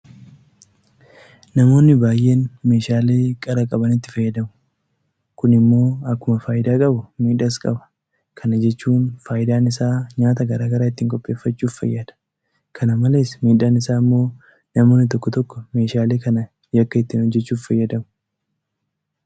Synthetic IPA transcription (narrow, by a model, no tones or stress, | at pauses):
nɐmo̞ːnːɪbaːjʔːe̞ːnme̞ːʃaːleːkʼɐɾɐkʼɐbɐnɪt̪ːɪ̥fɐjːɐd̪ɐmʊ̥ | kʊnɪmːo̞ːɐkːʊmɐfaːjɪd̪aːkʼɐbʊmiːᶑɐskʼɐ̰bɐ̥ | kʰɐnɐd͡ʒɛt͡ʃːuːnfaːjɪd̪aːnɪsaːɲaːt̪ɐɡɐɾaːɡɐɾaːɪt̪ːiːŋkʼɔpʼːe̞ːfːɐt͡ʃːuːffɐ̰jːad̪̥ɐ̥ | kʰɐnɐmɐle̞ːsmiːᶑaːnɪsaːɪmːo̞ː | nɐmo̞ːnːɪt̪̬ɔkːɔt̪ɔkːɔme̞ːʃaːleːkɐnɐ | jɐkːɐɪt̪ːiːnɔd͡ʒːɛt͡ʃːuːffɐjːɐd̪ɐmʊ̥